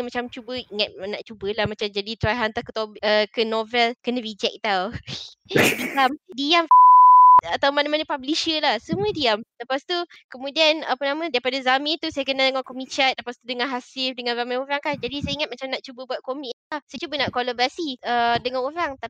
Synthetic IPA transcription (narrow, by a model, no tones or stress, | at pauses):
mat͡ʃamt͡ʃubəiŋat̪̚naʔt͡ʃubəlahmat͡ʃamd͡ʒadit̪ɾajɦant̪akə̥t̪obəkənovɛlkənə̃ɾid͡ʒɛk̚t̪aw | diamdiam | at̪awmanamanəpabliʃəlahsəmuədiamləpast̪u | kəmũdianapənãmə̃daipadazamɪ̃nt̪usajəkənadəŋakomĩt͡ʃat̪̚ləpast̪udəŋanɦasɪfdəŋanzamĩnoɾaŋkand͡ʒadisajəiŋat̪̚mat͡ʃamnaʔt͡ʃubəbuat̪̚komɪk̚t̪asajt͡ʃubənaʔkolobasiədəŋanoɾaŋt̪a